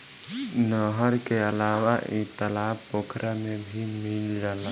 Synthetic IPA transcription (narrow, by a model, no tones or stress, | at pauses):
nɔɦəɾkeəlaːwaɪ̰t̪ːəlaː | oːkʰɾʔamẽbʱimɪld͡ʒaːla